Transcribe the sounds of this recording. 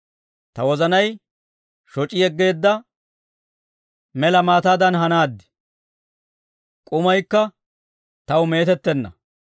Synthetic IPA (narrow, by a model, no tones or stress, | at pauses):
t̪ɐwɔzɐnɐj | ʃɔt͡ʃʼɪjɛɡːe̞ːd̪ːɐ | mɛlɐmaːt̪aːd̪ɐnɦɐnaːd̪ːɪ̥ | kʼʊmɐjkːɐ | t̪ɐwme̞ːt̪ɛt̪ːɛnːɐ̰